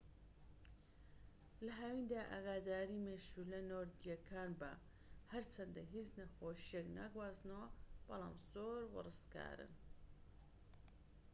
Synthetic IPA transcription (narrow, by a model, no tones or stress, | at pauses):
lɐɦawind̪aːʔa̰ːɡaːd̪aːɾimeːʃulɐnoːɾd̪ijɐkʰaːnba̰ | hɐɾt͡ʃʰɐnd̪ɐɦiznɐxoːʃijekna̰ːɡwaːznɐwɐb̥ɐlˠa̰ːmz̥oːɾwɨ̰rɨska̰ːɾɨ̰n